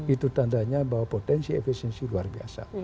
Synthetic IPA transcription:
it̪ut̪andaɲabawapot̪ɛnsiɛ̰fisɛnsiluarbia̰sa̰

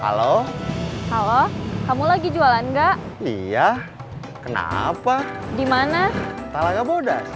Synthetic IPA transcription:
ha̰lo | halokamulaɡid͡ʒualanɡaʔ | ia | kəna̰padimanat̪alaɡaboda̰s

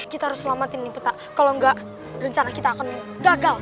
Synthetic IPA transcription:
kit̪ahaɾʊsːəlamat̪ɪnːɪpət̪aʔ | kaloŋɡaʔ | rəɲt͡ʃanakit̪aːkan | ɡaɡal

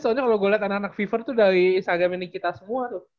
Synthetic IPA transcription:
sɔɲakaloɡaliat̪anakanak̚fifərt̪udaɾisaɡaminikit̪asəmuat̪ʊ

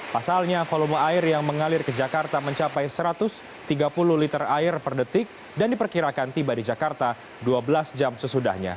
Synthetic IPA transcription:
pasalɲafolumaɪrjaŋməŋalɪrkəd͡ʒakart̪aməɲt͡ʃapajsəɾat̪ʊs | t̪iɡapuluhlit̪əraɪrpərdət̪ɪk̚ | dandipərkiɾakant̪ibadid͡ʒakart̪a | duabəlasd͡ʒamsəsuda̰hɲa̰

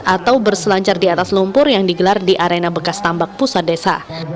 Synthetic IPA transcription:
at̪awbərsəlaɲt͡ʃardiat̪aslumpʊrjaŋdiɡəlardiʔaɾenabəkast̪ambak̚pusadesa̰

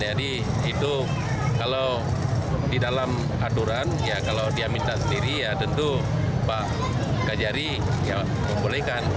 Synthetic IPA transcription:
d͡ʒadi | it̪u | kalaw | didalam | at̪uɾanjakalawdiamint̪asəndiɾijat̪ənt̪u | paʔ | kad͡ʒaɾi | ja | məmbolɛhkan

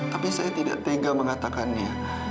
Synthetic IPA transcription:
t̪apisajat̪ida̰ʔt̪eɡaŋmə̃ŋat̪akanni

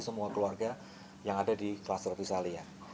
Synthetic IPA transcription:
səmuakəluarɡa | jaŋadadiklast̪ərfisalia

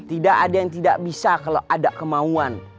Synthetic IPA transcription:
t̪idaʔadajaŋt̪idaʔbisakalaʔadakəmauan

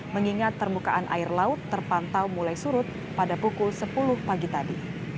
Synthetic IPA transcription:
məŋiŋat̪̚pərmukaʔanʔa̰ɪrlaʊt̪ːərpant̪awmulajsuɾʊt̪̚ | padapukʊlsəpulʊhpaɡit̪adi

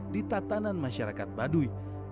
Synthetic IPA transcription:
dit̪at̪ananmaʃaɾakat̪̚baduj

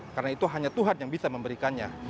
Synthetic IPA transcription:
karnait̪uɦaɲat̪uɦanjaŋbisaməmbəɾikanɲa̰

